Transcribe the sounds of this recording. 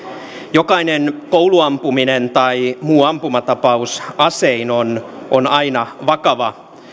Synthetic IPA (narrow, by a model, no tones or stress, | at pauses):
jokɑinenkouluɑmpuminent̪ɑimuːɑmpumɑt̪ɑpɑusɑseinonʔonɑinɑʋɑkɑʋɑ